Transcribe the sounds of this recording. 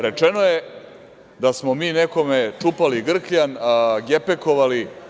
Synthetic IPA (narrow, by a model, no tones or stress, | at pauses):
ɾe̞t͡ʂe̞no̞je | d̪asmo̞miːneko̞met͡ʂupaliɡr̩kʎanɡepe̞ko̞ʋali